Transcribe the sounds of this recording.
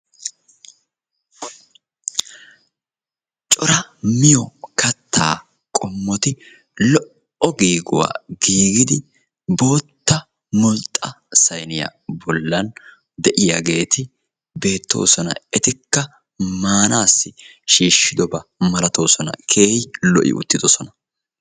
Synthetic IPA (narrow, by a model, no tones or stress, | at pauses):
t͡ʃʼɔɾɐmɪjɔkʰɐt̪ʰːaː | kʼɔmːɔt̪ɪ | lɔʔ | ɔɡiːɡʊwa̰ːɡiːɡɪd̪ɪ | bo̞ːt̪ːɐ | mɔlt̪ʼːɐ | sɐjnɪja̰bɔlːɐn | d̪ɛʔɪjaɡe̞ːt̪ɪ | be̞ːt̪ːo̞̰ːsɔnɐ̰ɛt̪ɪkːɐ | maːnaːsːɪʃiːʃːɪd̪ɔbɐmɐlɐt̪oːsɔnɐ̰kʰeːhɪlɔʔɪ̰ʔʊ̰t̪ːɪd̪ɔsɔnɐ